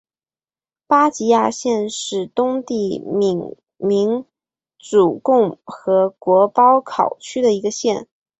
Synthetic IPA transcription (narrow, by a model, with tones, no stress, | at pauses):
pa˥t͡ɕi˧˥ja˥˧ɕjɛ˥˧nʂɻ̩˥˩t̪ʊ˥ŋt̪i˥˩m˧˩ŋ | mi˧˥ŋ | t͡su˨˩kʊ˥˩ŋxɤ˧˥kwɔ˧˥pɑ˥ʊkʰɑ˨˩ʊt͡ɕʰy˥d̪ə˨i˧˥ɡə˧ɕjɛ˥˩n